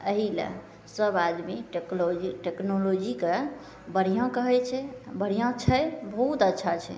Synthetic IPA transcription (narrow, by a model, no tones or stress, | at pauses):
əɦilḛ | səbad̪miʈeklod͡ʒiʈeknolod͡ʒike | bəɽ̤ijãkəɦɛt͡ʃʰɛbəɽijãt͡ʃʰɛjbəɦut̪ətːʃʰat͡ʃʰɛ̰